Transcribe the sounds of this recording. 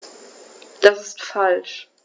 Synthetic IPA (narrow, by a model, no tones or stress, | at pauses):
d̥asɪstfalʃ